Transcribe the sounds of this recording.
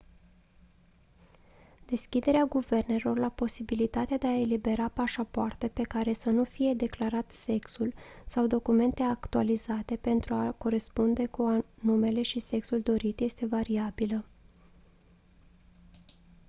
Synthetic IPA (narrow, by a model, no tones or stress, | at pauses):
d̪e̞skʲid̪e̞ɾeaɡuve̞rne̞lo̞rlapo̞sibilit̪at̪ead̪e̞ae̞libe̞ɾapaʃapoart̪e̞pe̞kaɾe̞sənufije̞d̪e̞klaɾat̪se̞ksulsawd̪o̞kume̞nt̪e̞akt̪ualizat̪e̞pe̞nt̪ɾuako̞ɾe̞spund̪e̞kuanume̞le̞ʃise̞ksuld̪o̞ɾit̪je̞st̪e̞vaɾiabilə